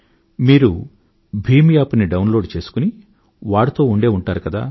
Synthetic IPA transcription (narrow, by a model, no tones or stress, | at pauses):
miːɾu | bʱiːmjaːpniɖɐwnlo̞ːɖt͡ʃe̞ːsu̥kuni | ʋaːɽit̪o̞ːuɳɖe̞ːuɳʈaːɾukɐd̪a̰ː